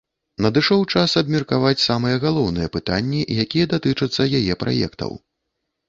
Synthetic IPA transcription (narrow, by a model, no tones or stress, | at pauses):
nɐd̪ɨʂɔwt͡ʂasɐbmʲirkavat͡sʲsamɨjɛɣalˠɔwnɨjɛpɨt̪anʲːiʔjakʲijɛd̪at̪ɨt͡ʂɐt̪sːɐjajɛpɾa̰jɛ̰kt̪ɐ̰w